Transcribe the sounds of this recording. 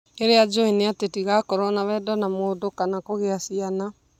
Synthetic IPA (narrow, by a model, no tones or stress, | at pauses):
eɾead͡ʒoineatetiɣakɔɾɔnawɛdɔnamoːdokanakoɣeasiana